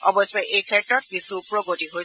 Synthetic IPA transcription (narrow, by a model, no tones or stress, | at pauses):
ɔbɔsɔjʔejkʰɛtɹɔt̚kisuːpɹɔɡotiɦoj